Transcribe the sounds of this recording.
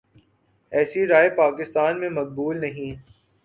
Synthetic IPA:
ɛːsiɾaːepaːkɪst̪aːnmẽmɐk̚buːlnɐɦĩ

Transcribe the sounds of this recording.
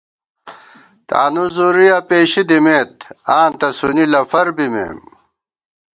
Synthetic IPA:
t̪a̰ːnuzuɾijapeːɕid̪imeːt̪̚aːnt̪ɐsunilɐfɐɾbimḛːm

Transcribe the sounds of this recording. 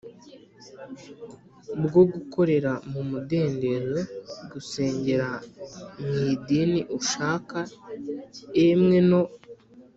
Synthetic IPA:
bɡo̞ɡuko̞ɾe̞ɾamumude̞ːnde̞zoɡuse̞ːɲɟe̞ɾamiːdiniʔuʃaːka | emŋe̞no̞

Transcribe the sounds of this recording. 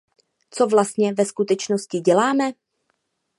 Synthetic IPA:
t͡so̞vlast̪̚ɲɛvɛskut̪ɛt͡ʃnoscɪɟɛlaːmɛ

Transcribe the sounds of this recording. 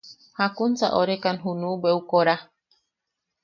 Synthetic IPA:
hakunt͡sa̰ʔoɾekanɦunũbeukoɾa

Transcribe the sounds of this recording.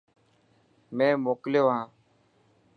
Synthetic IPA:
mẽːmoːkljoːɦãː

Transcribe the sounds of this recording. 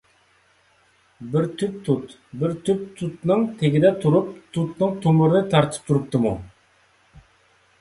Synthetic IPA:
bɪɾt̪ʰyp̚t̪ʰut̪ | bɪɾt̪ʰyp̚t̪ʰut̪nɨŋt̪ʰeɡʲid̪ɛt̪ʰuɾup̚t̪ʰut̪nɨŋt̪ʰumɨɾɨnɨt̪ʰɑɾt̪ʰɨ̥p̚t̪ʰuɾup̚t̪ʰɨmu

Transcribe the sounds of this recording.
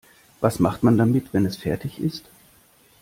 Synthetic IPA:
vasmaχtmandamɪtv̥ɛnɛsfɛɐtʰɪçɪst

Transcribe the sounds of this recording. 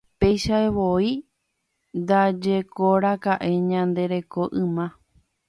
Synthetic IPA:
pe̞jʃaeβo̞i | nd̪ad͡ʒe̞ko̞ɾakaʔe̞ɲãnd̪e̞ɾe̞ko̞ʔɨ̃mã

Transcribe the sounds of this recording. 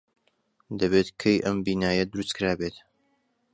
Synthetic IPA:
d̪ɐβet̪kʰejʔɐmbiːnaːjɐd̪ɾuskɨɾaːbet̪

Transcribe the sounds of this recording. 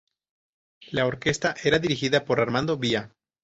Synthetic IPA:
laoɾke̞st̪aʔe̞ɾaðiɾixiðapo̞ɾaɾmãnd̪o̞βia

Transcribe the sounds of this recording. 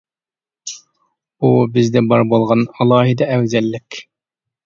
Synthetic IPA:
ubɪzd̪ɛbɑɾbolˠʁɑnɑlˠɑːɦid̪ɛɛwzɛlːɪkʲ

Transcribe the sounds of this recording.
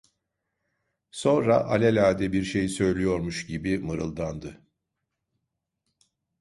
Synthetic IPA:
sõ̞nɾa̰ʔalʲelʲaːd̪ɛbiɾʃe̞jisø̞jlʲijo̞ɾmuʃɟibimɯɾɯ̰lˠd̪and̪ɯ

